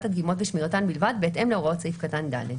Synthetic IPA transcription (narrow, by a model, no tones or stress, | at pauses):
t̪ad̪ɡimo̞t̪veʃmiʁat̪anbilvad̪beːtemleoʁaott͡seifkat̪and̪a̰le